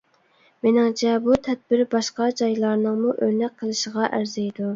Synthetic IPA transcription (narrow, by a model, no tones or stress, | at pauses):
menɪŋt͡ʃʰɛbut̪ʰɛd̪̚bɪɾbɑʃqɑd͡ʒɑjlˠɑɾnɨŋmuʔøɾnɛk̚ʲqʰːəlˠɨʃəʁɑʔæɾzɛjd̪u